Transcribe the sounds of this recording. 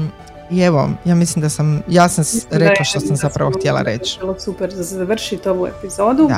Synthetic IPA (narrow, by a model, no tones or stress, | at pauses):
ieʋo̰jaːmislimd̪asamjaːsamsɾeklaʃt̪o̞samzapɾaʋo̞xt̪jelˠa̰ɾe̞̰t͡ʃlosupeɾd̪asezʋr̩ʃit̪oʋuḛpizo̞d̪ṵ